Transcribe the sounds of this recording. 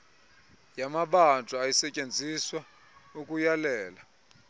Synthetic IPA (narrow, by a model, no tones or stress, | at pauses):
jamaɓant͡fʼuajisɛcʼend͡zʱiswa | ukʼujalɛːla